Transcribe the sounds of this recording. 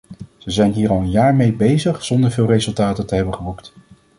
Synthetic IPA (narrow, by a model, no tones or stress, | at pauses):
z̥əzɛjnɦiːɹɑlˠənjaːɹmejbejzəχz̥ɔndəɹvɪːlˠrejzɵlˠtaːtəntəɦɛbənχəbukt